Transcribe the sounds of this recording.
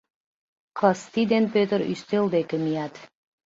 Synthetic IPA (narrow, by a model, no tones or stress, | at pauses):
kʰlˠast̪id̪en̚pʲøt̪əɾy̰st̪elˠd̪ekemijat̪